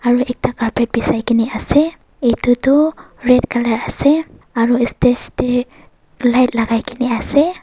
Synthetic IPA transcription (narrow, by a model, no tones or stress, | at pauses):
aɹuʔɛk̚takaɹpɛt̚bisajkiniasɛ | itutɔɹɛd̚kʰalaɹasɛ | aɹuɛstɛste | lajt̚laɡajkʰiniasɛ